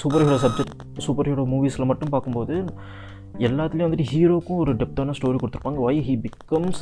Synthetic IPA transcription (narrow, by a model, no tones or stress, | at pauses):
suːpɐɾɦiːɾoːs̬ɐb̚d͡ʒɛkʈ | suːpɐɾɦiːɾoːmuːʋiːsɪlɐmɐʈːɯ̃mpaːɾkɯmpoːðɯ | ɛlːaːt̪ɪlj̃ʋɐnd̪ɪʈːiɦiːɾoːkʊ̃ɔɾɯɖɛp̚ʈɐnasʈoːɾikɔɽt̪ɯɾɯ̥pːaːŋɡɐʋɐɪɦiːbɪkːɐms